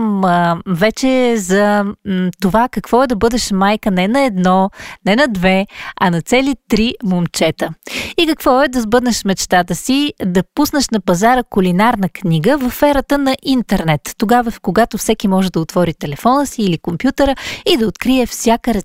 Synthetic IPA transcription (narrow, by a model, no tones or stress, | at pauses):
mvɛt͡ʃɛzɐ | t̪ovakɐkvɔɛd̪ɐbɤd̪ɛʃmajkənɛnɐɛd̪nɔnɛnɐd̪vɛɐnɐt̪sɛlit̪ɾimomt͡ʃɛt̪əikɐkvɔɛd̪ɐzbɤd̪nɛʃmɛt͡ʃt̪at̪əsid̪ɐpusnəʃnɐpɐzaɾəkulinaɾnəkniɡəvɐffɛɾət̪ənɐʔint̪ɛɾnɛt̪ːoɡavəfkoɡat̪ofsɛkimɔʒɛd̪ɐot̪vɔɾit̪ɛlɛfɔnəsiːlikompjut̪əɾəid̪ɐot̪kɾiɛfsʲjakəɾɛ